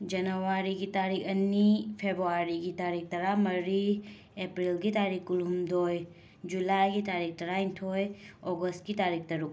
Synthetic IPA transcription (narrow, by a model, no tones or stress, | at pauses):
d͡ʒɐnɐwaɾiɡit̪aɾikɐnːipʰebɾuaɾiɡitaɾik̚ʰt̪ɐɾamɐɾi | epɾilɡit̪aɾikːulumd̪oj | d͡ʒulajɡit̪aɾik̚ʰt̪ɐɾaintʰojɔɡəst̚ɡitaɾik̚ʰt̪ɐɾu